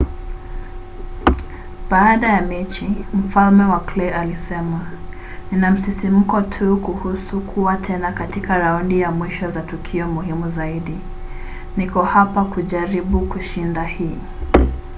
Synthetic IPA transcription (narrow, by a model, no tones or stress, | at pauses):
baːɗajamɛt͡ʃim̩falmɛwaklɛʔalisɛma | ninam̩sisim̩kɔtʰukuhusukʰuwatʰɛnakatikaɾaundijamwiʃɔzatukʰiɔmuhimuzaiɗi | nikɔhapakuʄaɾiɓukuʃindahiː